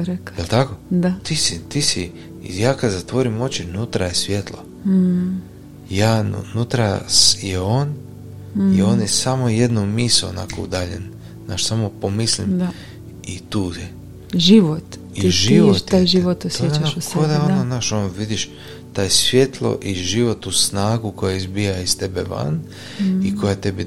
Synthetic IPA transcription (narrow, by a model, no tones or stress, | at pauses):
ɾekjelˠt̪ako̞d̪at̪isit̪isi | jaːkad̪zat̪ʋo̞ɾimo̞t͡ɕinut̪ɾajesʋjet̪lˠo | jaːn̰nut̪ɾajeoːn | io̞ːnjesamoje̞d̪numiːsuo̰na̰kʰo̰ṵd̪aːʎḛn | naːʃsamopomislimd̪a | it̪uːje | ʒiʋot̪ | iiʒiʋot̪aːjʒiʋot̪osjjet͡ɕankod̪aonnonaʃonoʋid̪iʃ | t̪aːjsʋje̞t̪lˠo̰ʔiʒiʋo̞t̪usnaːɡuko̞jaizbijaist̪ebḛʋa̰n | iko̞jat̪e̞bi